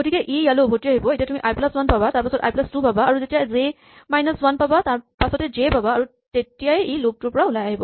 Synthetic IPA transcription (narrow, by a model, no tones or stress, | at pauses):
ɡotikɛʔijalobʱotiaɦibɔetijatumiʔajplaswanpabataɹpasɔta̰jplastupabaːɹuzetijaze | majnɔswanpabataɹpasɔtɛzebabaːɹu | tetijajilok̚tʊɹpɔɹaʊlajaɦibɔ